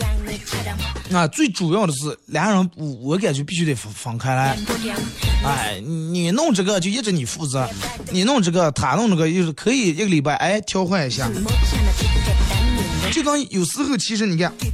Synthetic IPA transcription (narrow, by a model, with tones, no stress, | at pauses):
a˥˧˩t͡swe˥˩ɪʈ͡ʂu˨˩jɑ˥˩ʊɾə˩ʂ̬ɻ̩˥˩ljɑ˧˥ŋɻə˧˥nwwɔ˨˧˥k̬a˨˩ɪt͡ɕjo˥˧pi˥˩ɕy˧˥t̪e˨˩ɪffɑ˧˥ŋkʰa˥ɪla˧˥ɪ | a˥˩nni˨˩nʊ˥˧ŋʈ͡ʂɤ˥˩ɡə˨t͡ɕjo˥˧jɛ˥˩ʈ͡ʂə˧˩˦ni˨˩fu˥˩t͡sɹɤ˧˥ | ni˨˩nʊ˥˧ŋʈ͡ʂɤ˥˩ɡə˨˩t̪ʰa˨˩nʊ˥˧ŋʈ͡ʂɤ˥˩ɡə˧jo˥˧ʊʂ̩˥˩kʰɤ˧˥i˨˩i˥˩ɡə˩li˨˩pa˥˩ɪʔa˥˩ɪt̪ʰjɑ˥ʊxwa˥˩ni˧˩ɕja̰˥˩ | t͡ɕjo˥˩ʊt̪wɑ˥ŋ˥˧jo˨˩ʊsɹ̩˥xʰɤ˥˩t͡ɕʰi˧˥ʂɻ̩˧˥ni˨˩ka˥˩n